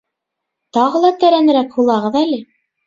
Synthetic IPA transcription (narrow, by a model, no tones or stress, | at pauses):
t̪ɑʁɤ̆lˠɑt̪æɾænɘ̆ɾækhulˠɑʁɤðælɘ